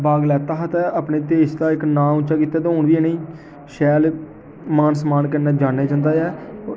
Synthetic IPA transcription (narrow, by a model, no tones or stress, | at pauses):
baːɡlɛːt̪aːɦət̪ɛəpneːt̪eːst̪aːɪknãːʊ̃t͡ʃaːkiːt̪aːt̪eɦoːɳʋiːɛːneĩː | ʃɛːl | maːnsmaːnkənaːd͡ʒãːneːt͡ʃãːnd̪aːjɛː